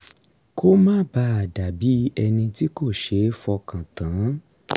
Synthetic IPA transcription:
ko˦mãː˦ba˧˦a˨da˨bi˨˦ɛ˧nĩ˧ti˦ko˦˨ʃe˨˦fɔ˧kã˨tã˨˦

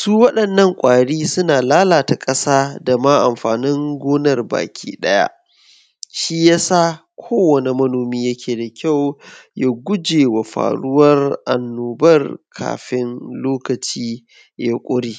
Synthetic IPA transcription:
suː˦wɐ˦ɗɐ˨nːɐ˦˨ŋkʷʼaː˨ɽiː˦sʊ˦naː˨laː˦laː˨ta˨kʼɐ˦saː˦da˨maː˦ʔa˨mɸaː˨nɪ˦ŋɡʷoː˦nɐ˨rba̰ː˨kʲʰḭː˦ɗɐ˦ja̰˦ʔ | ʃi˦jaː˦sa˦ | kʷʰoː˦wɐ˨ne˨mɐ˦noː˨miː˦jɐ˦kʲʰeː˨da˨kʲʰa˦˨wja˦ɡʷʊ˦d͡ʒeː˨wa˨ɸa̰ː˨ɽʊ˦wɐ˦rʔa̰˨nːoː˨bɐ˦rkʰa̰ː˨ɸɪ˦nloː˦kɐ˨t͡ʃiː˦ | jaː˦kʷʼʊ˦ɽiː˦

